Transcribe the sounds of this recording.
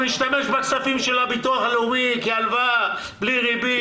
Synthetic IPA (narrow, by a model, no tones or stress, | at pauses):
miʃt̪ameʃbakt͡safimʃelabit̪uaχalumikealva | bliʁibi